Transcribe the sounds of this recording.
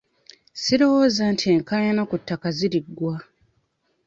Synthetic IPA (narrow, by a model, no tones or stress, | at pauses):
siɾo̞wo̞ːzantʰieŋkaɲanakutːakaziɾiɡwa